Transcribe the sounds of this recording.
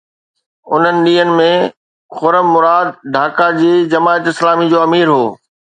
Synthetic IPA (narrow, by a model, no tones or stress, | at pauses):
ʊn̤ənɪ̆ɗiːənɪ̆mẽ | xʊɾəmmːʊɾaːd̪̚ɖʱaːkad͡ʑiːd͡ʑɐmaːət̪ɪslaːmid͡ʑoːɐmiːɾɦoː